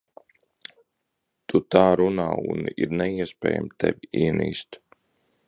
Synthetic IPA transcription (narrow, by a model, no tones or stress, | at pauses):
t̪ut̪aːɾuna̰ːṵniɾnɛiɛspʲɛ̰ːja̰mt̪ʰɛ̰viiɛniːst̪